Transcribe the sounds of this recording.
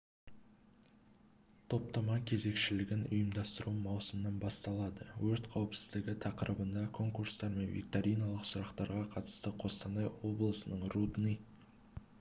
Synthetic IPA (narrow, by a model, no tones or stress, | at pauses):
t̪ʰo̞p̚t̪ɑmɑkʲʰe̞ze̞kʃɪlɪɡʲɪnʊ̰jəmd̪ɑst̪əɾumɑwsəmnɑnbɑst̪ɑlˠɑd̪əwɵɾt̪qʰɑwəpsɪzd̪ɪɡʲɪt̪ʰɑqəɾəbənd̪ɑkʰo̞ŋkurst̪ɑɾme̞nvʲḭk̚t̪aɾʲijnɑlˠəqsʊɾɑqt̪ɑɾʁɑqʰɑt̪ə̥st̪əqʰo̞st̪ɑnɑjwo̞blˠəsənəɴrud̪nij